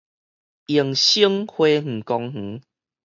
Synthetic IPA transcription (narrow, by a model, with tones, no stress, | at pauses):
i˨˩əŋɕi˦ŋhwe˦ŋ̩˨˩kɔ˧ŋh̩˨˦